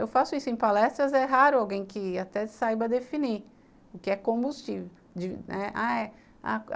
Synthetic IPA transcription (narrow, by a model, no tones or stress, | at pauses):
ewfasʊisʊẽj̃palɛst̪ɾɐzɛɦaɾʊawɡẽj̃kɪat̪ɛsajbɐd̪efini | ʊkɪɛkõbust͡ʃivew | d͡ʒɪnɛa̰ɛ | a̰